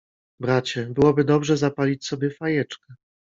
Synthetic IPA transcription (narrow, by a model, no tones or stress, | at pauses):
bɾat͡ɕɛbɘwɔbɘd̪ɔbʐɛzapalʲit͡ɕsɔbʲjɛfajɛt͡ʂkɛ